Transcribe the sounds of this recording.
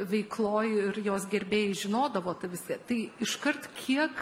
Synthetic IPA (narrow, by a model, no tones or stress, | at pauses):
ʋʲɛɪklˠoːjɪrjoːsɡʲɛɾʲbʲeːjɪʒʲɪnoːd̪ɐʋoːt̪ɐɪʋʲɪskʲɐt̪ɐɪɪʃkɐrt̪kʲʰiɛk